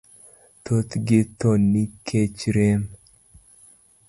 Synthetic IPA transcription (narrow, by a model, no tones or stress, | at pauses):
t̪ot̪ɡɪt̪onːikʰet͡ʃɾem